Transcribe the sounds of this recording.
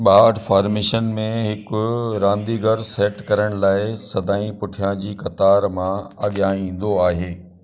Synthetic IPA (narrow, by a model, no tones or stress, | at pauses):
ɓaːɖfaːɾmeːʃənmẽɦɪkʊɾãːnd̪iɡəɾseːʈkɐɾəɽ̃laːɪsɐd̪ʱaːĩpʊʈʰijãd͡ʑiːkɐt̪aːɾmãɐɠjaːĩːn̆d̪oaːɦeː